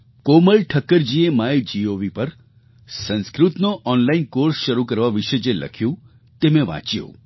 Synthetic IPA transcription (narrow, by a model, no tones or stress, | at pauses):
koməɭʈʰəkːəɾd͡ʒiemaed͡ʒioʋipəɾ | sə̃nskɾut̪noʔɔnlainkoɾsʃəɾukəɾʋaʋiʃed͡ʒelʔə̰kʰjũ | t̪emẽʋã̰t͡ʃjo̰